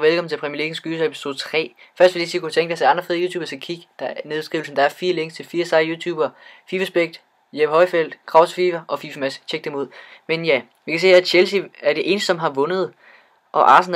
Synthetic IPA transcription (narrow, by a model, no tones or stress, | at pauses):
ʋelkʰɒ̽mn̩t͡sʰe̝pʰʁɛmiɐliɡ̥n̩sɡ̥yːsepi̥so̝ːðˠt͡sʰʁɛ̰ːfɶɐsd̥ʋe̝ldisiːkut͡sʰeŋɡ̥æsæɑ̈nd̥ʁɐfeðˠjuːt͡sʰuːbɐsɡ̥ækʰiɡ̥d̥ɑ̈neð̥ˠsɡ̥ʁiːʊlsn̩d̥ɑ̈æɐfiːɐle̝ŋɡst͡sʰe̝lfiːɐsɑ̈ɪjuːt͡sʰuːb̥ɐfiːfæsb̥eɡ̥̚d̥ | jeb̥əhɒ̽ɪfel̰d̥kʰʁɑ̈ʊsfiːfɐʔɒ̽fiːmæst͡ɕʰeɡ̥̚d̥emo̝ð̞̰ˠmenjæ | ʋikʰæse̝̰ːæɕelsiæɐɾ̥e̝ʔe̝ːnəsd̥sɒ̽mɦɑ̈ʋɔ̽nð̞̩ˠ | ʔɒ̽ʔɑ̈ːsn̩